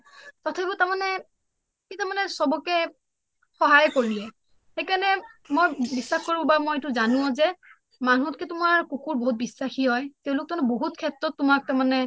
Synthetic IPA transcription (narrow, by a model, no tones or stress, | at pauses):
tɔtʰaibutamanɛ | kitamanɛsɔbɔkɛ | xɔɦajkoɹiiɛ | xejkanɛmojbisːaxkoɹĩbamojetuzanʊɔ̃zɛ | manɔtkɛtʊmaɹkukuɹboɦut̚bisːaxiɦɔjteʊ̃lʊk̚tɔmanɛboɦutkʰɛtɹɔtːʊmak̚tamanɛ